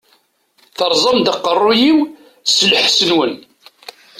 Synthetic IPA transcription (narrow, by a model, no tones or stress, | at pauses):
θəɾˤzˤɑmd̪əqːərˤːʊjiw | sləħsənwən